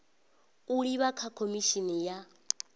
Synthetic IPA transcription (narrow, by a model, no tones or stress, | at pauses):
uɺiβakʰakʰomiʃinija